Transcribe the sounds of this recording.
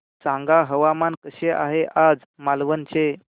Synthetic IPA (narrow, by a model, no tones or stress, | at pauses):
sãŋɡaɦəʋamankəɕeʔaɦeʔad͡z | malʋənt͡ɕe